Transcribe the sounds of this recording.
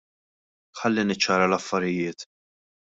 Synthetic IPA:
ħɐlːinɪt͡ʃːɐːɾɐlɐfːɐɾɪjɪːt̪

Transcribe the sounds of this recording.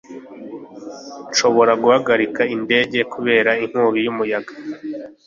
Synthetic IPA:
nʃo̞βo̞ɾaɡuhaɡaɾikainde̞ːɟe̞kuβe̞ːɾaiŋ̥huːβijumujaɡa

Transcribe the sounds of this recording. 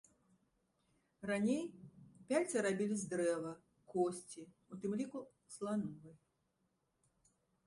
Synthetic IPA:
ranʲejpʲazɐɾabʲilʲizd̪ɾɛvɐ | kɔsʲt͡sʲi | ut̪ɨmlʲiku | slˠanuvɐj

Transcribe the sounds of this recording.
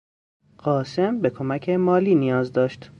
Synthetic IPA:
ɢ̥ɒːse̞mbe̞kʰo̞mæcʰe̞mɒːliːnijɒːzd̪ɒːʃt̪

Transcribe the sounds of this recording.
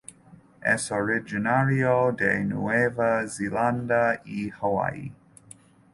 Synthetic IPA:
ʔɛsɔɹɪd͡ʒinaɹiodejnuevəzilãndaihəwa̰j

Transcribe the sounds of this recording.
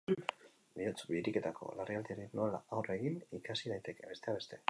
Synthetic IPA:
biot͡sbiɾike̞t̪akʰo̞̰lariald̪ieɾino̞laawre̞ɣinikasið̞ajt̪e̞ke̞βe̞st̪e̞aβe̞st̪e̞

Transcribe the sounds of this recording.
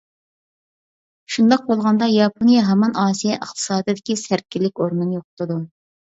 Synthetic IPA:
ʃund̪ɑq̚bolˠʁɑnd̪ɑjɑpʰonijɛɦɛmɑnɑːsijɛʔəχt̪ʰɨ̥sɑːd̪ɨd̪ɪkʲisæɾ̚kʲʰːilːɪkʲoɾnɨnjoqʊ̥t̪ɨd̪u

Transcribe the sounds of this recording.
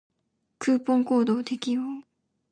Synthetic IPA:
kɯpoŋkod̪od̪ekʲio

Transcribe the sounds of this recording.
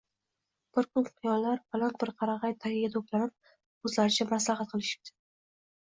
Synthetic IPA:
b̥ɪɾkʰʊnqʰijɒlːaɾbalant̪̚bɪɾqʰɑɾɑʁɑjt̪ʰahijad̪oklanɪp̚ | ɵzlaɾɪt͡ʃʰamas̬lɑɦat̪̚qʰɨlˠɪʃɪ̥p̚t̪ʰɪ̥

